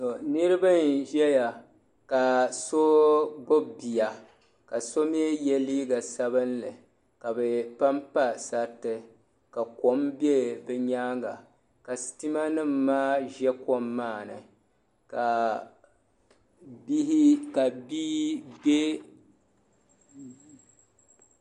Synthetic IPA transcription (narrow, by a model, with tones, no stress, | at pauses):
to˨nɨ˦ɾɨ˦ba˦nʒɛ˦ja˨ | ka˨so˦bʊ˦bi˨ja˨ | ka˨so˦mi˦e˦jɛ˦liː˦ɡa˨sa˦bɨ˦nlɨ˨ | ka˨bɨ˨pa˦mpa˦sa˨tɨ˦ | ka˨ko˦mbje˦bɨ˦ɲaː˦ŋɡa˨ | ka˨sti˦ma˦nɨ˦m̩ː˦aː˦ʒɛ˦ko˦mːaː˦˨nɨ̰˨ | ka˨ | bi˦hi˦ka˨biː˦be˦